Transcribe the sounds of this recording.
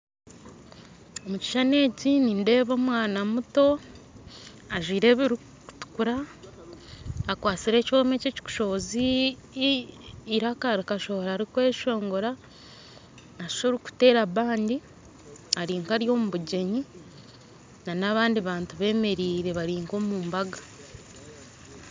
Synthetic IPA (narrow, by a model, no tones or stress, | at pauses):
o̞muci̥ʃane̞ːcininde̞ːβo̞ːmwaːnamuto̞ | aʒiːɾe̞ːβiɾikku̥tu̥kuɾa | kwaːt͡siɾe̞ːco̞ːme̞ceci̥ku̥ʃo̞βozi | ɾakaɾikaʃo̞βoɾaːɾikweːʃo̞ːŋɡo̞ɾa | ʃʃoɾiku̥te̞ːɾaβaːndi | aɾiːŋkaɾjo̞ːmuβuɟe̞ɲi | nanaβaːndiβaːntuβe̞ːme̞ɾiːɾe̞βaɾiːŋko̞ːmuːmbaɡḁ